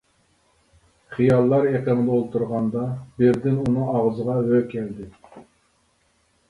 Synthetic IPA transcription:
χijɑlˠːɑɾeqənɨd̪əolˠt̪ʰuɾʁɑnd̪ɑbɪɾd̪ɪnunɨŋɑʁzəʁɑvøkʲʰɛld̪ɪ

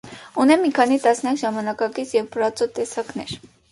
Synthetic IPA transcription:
unɛmːikʰɑnit̪ɑsnjɑkʒɑmɑnɑkɑkit͡sʰjɛvpʰəɾɑt͡sɔt̪ɛsɑknɛɾ

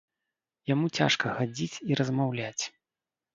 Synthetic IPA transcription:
jamut͡sʲa̰ʂkɐxad͡zʲit͡sʲiɾɐzmawlʲat͡sʲ

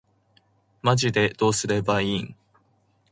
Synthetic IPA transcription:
maʑid̪e̞d̪̥o̞ːsɨɾe̞baĩŋ

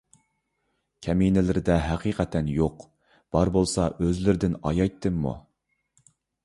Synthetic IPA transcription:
kʲʰɛminɪlɪɾɪd̪ɛɦæqʰiqʰɛt̪ʰɛnjoq | b̥ɑɾbolˠsɑøzlɪɾɪd̪ɪnɑ̰jɑjt̪ʰːɨmːṵ

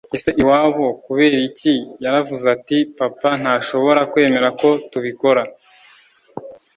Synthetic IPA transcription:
e̞seʔiwaːβokuβe̞ːɾicijaɾavuzatipapan̥haːʃo̞βo̞ɾakwe̞ːme̞ɾako̞tuβiko̞ɾa

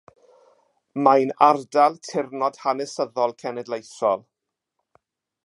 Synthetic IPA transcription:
majnardalˠtʰɪrnɔd̥hanɛsəðɔlˠkʰɛnɛdlˠejθɔlˠ

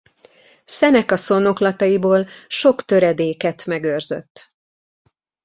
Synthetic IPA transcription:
sɛnɛkɒso̞no̞klɒt̪ɒjiboːlʃo̞kt̪ø̞ɾɛd̪eːkɛt̪mɛɡørzø̰t̪ː

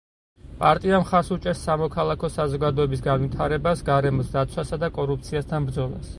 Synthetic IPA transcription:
pʼaɾt̪ʼiamχaɾsut͡ʃʼɛɾsːamɔkʰalˠakʰɔsazɔɡad̪ɔɛbis̬ɡanvit̪ʰaɾɛbasɡaɾɛmɔsd̪at̪sʰwasad̪akʼɔɾup̚t̪sʰiast̪ʰanbɾd̪zɔlˠa̰s

